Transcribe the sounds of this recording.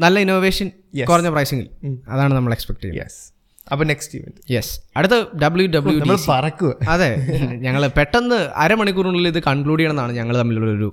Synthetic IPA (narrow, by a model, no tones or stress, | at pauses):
nɐlːɐinoːʋe̞ːʂɐn | kurɐɲːɐprɐjsiŋɡḭlɐ̰ðaːɳɨnɐmːɐɭekspek̚ʈɐj̰ɐ̰ḛs | ɐpːɐneksʈṵʋɐndjesɐɽɨt̪̬ːɨɖɐbɨljuɖɐbɨljumːɐɭpɐrɐkːuɐɐðe̞ɲɐŋːɐɭpeʈːɐnːɨɐ̰ɾɐmɐɳikːuruɳɐliliðɨkɐɳkɭuːɽijɐɳenːaːɳɨɲɐŋːɐɭt̪ɐmːiluɾoɾu